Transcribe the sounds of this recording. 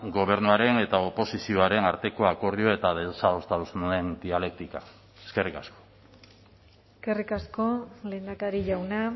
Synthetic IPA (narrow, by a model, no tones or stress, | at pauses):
ɡo̞β̞e̞ɾnuaɾe̞ne̞t̪aopo̞sisio̞aɾe̞naɾt̪e̞ko̞ako̞ɾðio̞e̞t̪aðe̞sao̞st̪aðusune̞nd̪iale̞k̚t̪ika | eske̞rikasko̞̥ | eske̞rikasko̞le̞nd̪akaɾiʝawna